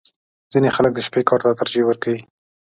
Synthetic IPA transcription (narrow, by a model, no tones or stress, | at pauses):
z̥inexalək̚d̪əʃpekɑɾt̪at̪aɾd͡ʒewəɾkawi